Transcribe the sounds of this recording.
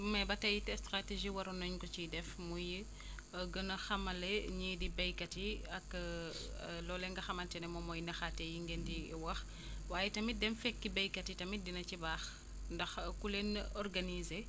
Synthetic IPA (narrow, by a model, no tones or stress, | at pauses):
mɐbɐtɐjitɛstɾateʒiwɐɾunɐɲkɔt͡ʃidɛfmuji | ɡənɐxɐmɐleɲidibɐjkɐtiɐk | lɔːlɛŋɡɐxɐmɐntɛnɛmɔmɔjnɐxatːejiŋɡendiwɐx | waːjɛtɐmidɛmfɛkːibɐjkɐtitɐmidinɐcibaːx | ndɐxkulenɔrɡanize